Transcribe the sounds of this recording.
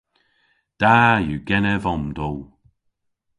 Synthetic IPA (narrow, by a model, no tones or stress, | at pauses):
d̪̥ajuːɡɛnəvɔmd̪ow